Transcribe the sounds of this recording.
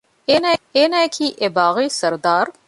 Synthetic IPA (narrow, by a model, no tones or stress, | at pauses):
enaenajkʰiːʔebaːɣisɐɾd̪aːɾ